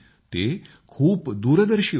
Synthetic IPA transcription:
t̪e | kʰuːpd̪uːɾəd̪əɾʃiː

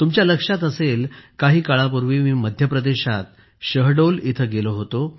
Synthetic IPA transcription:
t̪umt͡ɕjaləkʂat̪əselkaɦiːkaɭapuɾʋiːmiːməd̪ʱjəpɾəd̪eɕat̪̚ | ɕəɦɖolit̪ʰəɡeloɦot̪o

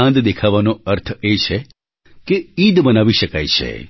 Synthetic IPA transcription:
ãnd̪d̪ekʰaʋanoəɾt̪ʰet͡ʃʰe | keid̪bənaʋiʃəka̰jt͡ʃʰḛ

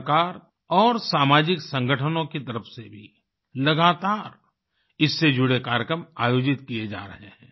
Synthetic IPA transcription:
kaːɾ | ɔːɾsaːmaːd͡ʒɪksə̃ŋɡʱəʈʰənõkit̪ɐɾəfʰsebʱḭ | lɐɡaːt̪aːɾ | ɪsːed͡ʒʊɽekaːɾjəkɾəmaːjoːd͡ʒɪt̪kijed͡ʒa̰ːɾɐ̰ɦehɛ̰̃ː

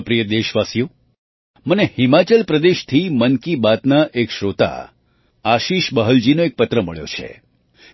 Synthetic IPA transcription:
pɾijəd̪eʃʋasjo | mənehimat͡ʃəlpɾəd̪eʃt̪ʰimənkibat̪naʔekʃɾot̪a̰ | aʃiʃbəɦəld͡ʒinoek̚pət̪ɾəməɭjo̰t͡ʃʰḛ

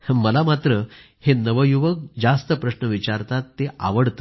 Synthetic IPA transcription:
məlamat̪ɾə | henəʋəjuʋək̚d͡zast̪əpɾəɕnəʋit͡ɕaɾt̪at̪ːeʔa̰ʋəɽt̪ə

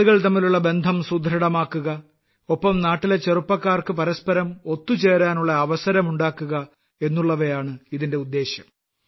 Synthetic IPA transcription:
uɣɐɭt̪ɐmːiluɭːɐbe̞nd̪ʱɐmsud̪ʱɾɐɽɐmaːkːuɣɐ | opːɐmnaːʈːile̞t͡ɕːe̞rupːɐkːaːrkɨpɐɾɐspɐɾɐmo̞t̪ːut͡ɕe̞ːɾaːnuɭːɐːʋɐsɐɾɐmuɳɖaːkːuɣɐ | e̞nːuɭːɐʋɐjaːɳɨiðinde̞ud̪ːe̞ːɕjɐm

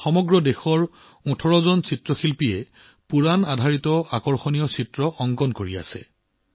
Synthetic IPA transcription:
xɔmɔɡɹɔdexɔɹ | ũtʰɔɹɔzɔnsitɹɔxilpijɛ | puɹanadʱaɹitɔakɔɹxɔnijɔsitɹɔʔɔŋɡɔnkoɹia̰sɛ̰

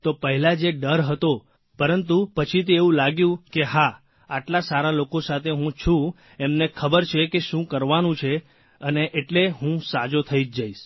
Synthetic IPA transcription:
t̪opəɦɛlad͡ʒeɖəɾɦət̪o | pəɾənt̪̬upət͡ʃʰit̪̬eeũlaɡjũkeɦa | aʈlasaɾalokosat̪ʰeɦũt͡ʃʰũ | emnekʰəbəɾt͡ʃʰekeʃũkəɾʋanũt͡ʃʰe | əneʔeʈleɦũsad͡ʒot̪ʰəid͡ʒd͡ʒaiʃ

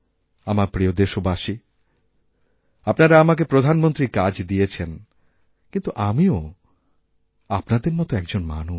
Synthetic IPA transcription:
amaɾpɾiod̪eʃobaʃi | apnaɾaamak̬epɾod̪ʱanmont̪ɾikad͡ʑd̪ijet͡ɕʰen | kint̪uʔamio | apnad̪eɾmɔt̪oɛkd͡ʑonma̰nu

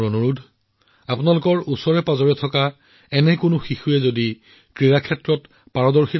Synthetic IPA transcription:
ɔnuɹudʱ | apʊnalʊkɔɹusɔɹɛpazɔɹiɔtʰɔka | ɛnɛkʊnʊxixujɛzodi | kɹiɹakʰɛtɹɔt | paɹɔdɔɹxi

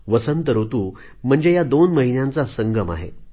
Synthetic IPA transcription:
ʋəsənt̪əɾɦot̪uː | m̤əɳd͡zejad̪onməɦinjant͡sasəŋɡəma̰ɦḛ

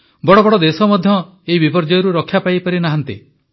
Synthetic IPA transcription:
bɔɽɔbɔɽɔd̪esɔmɔd̪ʱjɔ | eibipɔɾd͡ʒɔjɔɾuɾɔkʰːjapajpɔɾinaɦant̪i

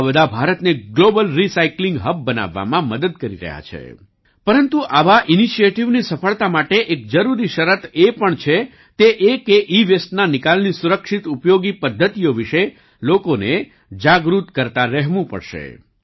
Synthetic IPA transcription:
bəd̪ʱabʱaɾət̪neɡlobəlɾisaiklĩŋɡɦəb̚ːəna̰ʋːa̰mãməd̪əd̪̚kəɾḭɾə̰ɦja̰t͡ʃʰḛ | pəɾənt̪uʔaʋaʔiniʃijeʈiʋnisəfəɭt̪amaʈeʔek̚d͡ʒəɾuɾiʃəɾət̪epəɳt͡ʃʰe | t̪eʔekeʔiʋesʈnanɪkalnisuɾəkʃit̪upjoɡipəd̪ʱːət̪ijoʋiʃe | lokone | d͡ʒaɡɾut̪kəɾt̪aɾɛɦʋũpə̰ɽʃḛ

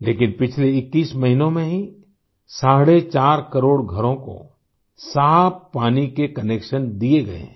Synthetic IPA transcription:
leːkɪnpɪt͡ʃʰleɪkːiːsmɐɦinõmẽɦi | saːɽet͡ʃaːɾkɐɾoːɽɡʱɐɾõko̰ | saːbpaːnikekɐneːkʃənd̪ieɡɐḛ̃

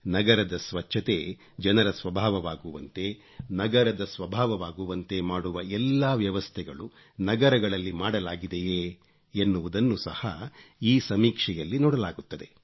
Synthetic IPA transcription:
nɐɡɐɾɐd̪ɐsʋɐt͡ʃʰːɐt̪e̞ | d͡ʒɐnɐɾɐsʋɐbʱaːʋɐʋaːɡuʋɐnt̪e̞ | nɐɡɐɾɐd̪ɐsʋɐbʱaːʋɐʋaːɡuʋɐnt̪e̞maːɽuʋɐɛlːaːʋjɐʋɐst̪ʰɛɡɐɭu | nɐɡɐɾɐɡɐɭɐlːimaːɽɐlaːɡid̪ejeː | nːuʋud̪ɐnːusɐhɐiːsɐmiːkʂɛjɐlːinɔːɽɐlaːɡut̪ːɐd̪e̞

